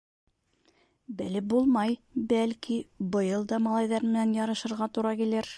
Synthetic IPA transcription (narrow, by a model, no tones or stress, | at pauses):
bɘlɘp̚bulˠmɑjbælkibɤ̆jɤlˠd̪ɑmɑlˠɑjðɑɾmɘ̆nænjɑɾɤ̆ʃɤ̆ɾʁɑt̪uɾɑkilɘɾ